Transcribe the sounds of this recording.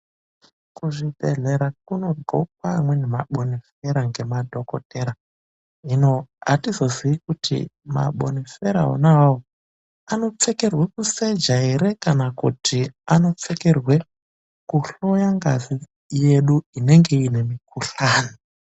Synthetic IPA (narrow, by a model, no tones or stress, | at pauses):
kuʐibʱe̞ɮe̞ɾak̚uno̞rɡʱok̚wamwe̞nema̰ɓonifeɾaŋɡe̞madʱo̞kote̞ɾa | inoa̰tizo̞ziikutʰḭma̰ɓo̰nifeɾa̰ɦo̰naawo | ano̞t͡seke̞rwekuse̞d͡ʒaeɾe̞kanakutʰiano̞t͡se̞kerwe̞ | kuɬo̞jaŋɡa̰zi | je̞ɗuine̞ŋɡe̞ine̞mikuɬaːni